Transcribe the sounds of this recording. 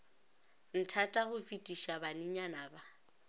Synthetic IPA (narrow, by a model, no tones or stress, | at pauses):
n̩tʰatʼahʊfitʼiʃabaniɲanaːba